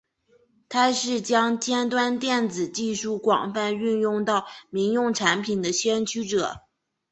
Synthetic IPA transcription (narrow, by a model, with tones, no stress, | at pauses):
t̪ʰa˥ʂɻ̩˥˩t͡ɕjɑ˥ŋt͡ɕjɛ˥nt̪wa˥nt̪jɛ˥˩nd͡zɹ̩˨˩t͡ɕi˥˧ʂu˥˩kwɑ̰˨˩ŋfa˥˧ny˥˧njʊ˥˧ŋt̪ɑ˥˩ʊmi˧˥ŋjʊ˥˩ŋʈ͡ʂʰa˧˥npʰi˨˩nd̪ə˦ɕɥɛ˥nt͡ɕʰy˥ʈ͡ʂɤ˨˩˦